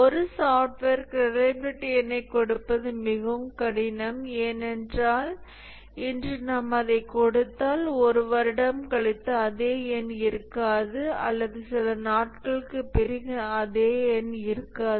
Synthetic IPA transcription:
ɔɾɯsaːfʈʋeːɾkɾɪɾɐɪbɪɾɪʈːɪɛnɐɪkːɔɽɯpːɐðɯmɪɣɐʋɯmkɐɽɪnɐmeːnɛndraːl | ɪndrɯnɐmːɐðɐɪkɔɽɯt̪ːaːlɔɾɯʋɐɾɪɽɐmkɐɭɪt̪ːɐːðeːjɛnɪɾɯkːaːðɯɐ̰lːɐðɯsɪlɐnaːʈkɐɭɯkːɯpɪɾɪɣɯɐðeːɛnɪɾɯkːaːðɯ

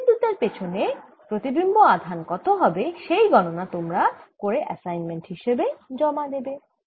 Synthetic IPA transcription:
d̪ut̪aɾpet͡ɕʰone | pɾot̪ibimboad̪ʱankɔt̪oɦɔbeʃejɡɔnonat̪omɾakoɾeʔɛ̰sajnmenʈhiʃebed͡ʑɔmad̪ebe

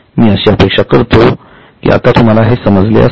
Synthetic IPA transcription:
miːəɕeəpekʂakəɾt̪o | kḭːa̰t̪at̪um̤alaɦesəməd͡zlḛə̰

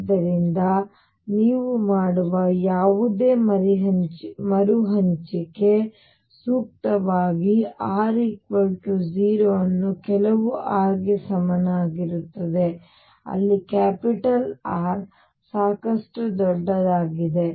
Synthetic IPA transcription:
d̪ɐɾind̪ɐ | niːʋumaːɽuʋɐjaːʋud̪e̞ːɐɾiɦɐt͡ʃmɐɾuɦɐɲt͡ʃike̞ | suːk̚t̪ɐʋaːɡiaːɾikʋɐʈud͡ʒiːɾoɐnːukɛlɐʋuʔaːɾɡesɐmɐnɐaːɡiɾut̪ːɐd̪e̞ | ɐ̰lːikaːpiʈɐlaːɾ | saːkɐʂʈud̪ɔɖːɐd̪aːɡid̪e̞

